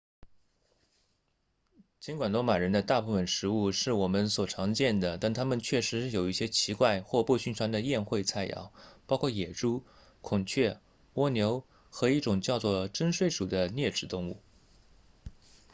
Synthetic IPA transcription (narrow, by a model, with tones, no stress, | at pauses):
t͡ɕi˧˥nkwa˨˩nlɔ˧˥ma˨˩ɻə˧˥nd̪ə˧t̪a˥˧pu˥˩fə˨˩nʂɻ̩˧˥u˥˧ʂɻ̩˥˩wɔ˨˩mə˧˦nswɔ˨˩ʈ͡ʂʰɑ˧˥ŋt͡ɕjɛ˥˩nd̪ə˩t̪a˥˩nt̪ʰa˥mə˨nt͡ɕʰɥɛ˥˩ʂɻ̩˧˥jo˨˩ʊi˥˩ɕjɛ˥t͡ɕʰi˧˥kwa˥˧ɪxwɔ˥˧pu˥˧ɕy˥˩nʈ͡ʂʰwa˥nd̪ə˨jɛ˥˧nxwe˥˧ɪt͡sʰa˥˩ɪjɑ̰˨˩˦ʊpɑ˥ʊkʰwɔ˥˩jɛ˨˩ʈ͡ʂu˥ | kʰʊ˨˩ŋt͡ɕʰɥɛ˥˩ | wɔ˥njo˧˥ʊ | xɤ˧˥i˥˩ʈ͡ʂʊ˨˩ŋt͡ɕjɑ˥˧ʊt͡swɔ˥˩ʈ͡ʂə˥nʂwe˥˩ɪʂu˨˩d̪ə˦njɛ˥˩ʈ͡ʂɻ̩˨˩t̪ʊ˥˧ŋu˥˩